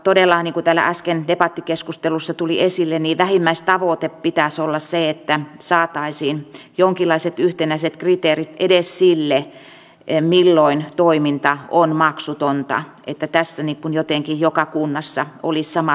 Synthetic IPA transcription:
t̪odelːɑːniːŋkut̪æːlːæ̰ʔɑskendepɑt̪ːikeskust̪elusːɑt̪uliesilːeniːʋæhimːæist̪ɑʋot̪eppit̪æsolːɑsseet̪ːæsɑːt̪ɑisiːnjoŋkilˑːɑiset̪yht̪enæiset̪krit̪eːrit̪edessilːe | milːoint̪oimint̪ɑonmɑksut̪ont̪ɑ̰ʔḛt̪ːæt̪æsːæniːkkunjot̪eŋkijjokɑkunːɑsːɑolissɑmɑ

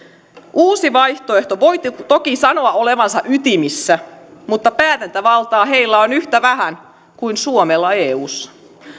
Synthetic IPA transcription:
ʔuːsiʋɑjht̪oeht̪oʋot̪ːt̪okisɑno̞ɑole̞ʋɑnsɑʔyt̪imisːæmut̪ːɑpæːt̪ænt̪æʋɑlt̪ɑːɦe̞jlːæonyht̪æʋæɦæn | kuinsuomelːɑeːuːsːɑ̥

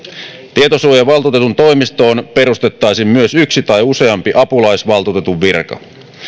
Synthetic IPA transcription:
t̪iet̪osuojɑʋɑlt̪ut̪e̞t̪unt̪o̞jmist̪o̞ːnpe̞ɾust̪e̞t̪ːɑjsimmyøsyksit̪ɑjuse̞ɑmpiʔɑpulɑjsʋɑlt̪ut̪et̪uʋːirkɑ̰

